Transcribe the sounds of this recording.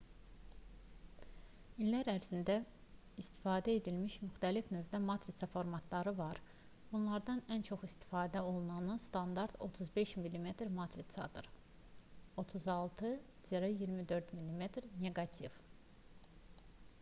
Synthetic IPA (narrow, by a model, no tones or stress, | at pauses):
ilːæɾæɾzind̪æ | ist̪i̥fɑːd̪æe̞d̪ilmiʃmyxt̪ælifnø̞vd̪æmɑt̪ɾisʰɑfo̞ɾmɑt̪ʰlˠɑɾɯvɑɾ | b̥unlˠɑɾd̪ɑnænt͡ʃʰo̞χist̪i̥fɑːd̪æo̞lˠunɑnɯst̪ɑnd̪ɑɾt̪o̞̰t̪ʰuzbe̞ʃmilʲime̞t̪ɾmɑt̪ʰɾisʰɑ̰d̪ɯ̰ɾ | o̞t̪ʰuzɑlˠt̪ʰɯ | z̥eɾɑjiɾmid̪ø̞ɾd̪milːimet̪ɾnʲe̞ɡɑt̪ʰiv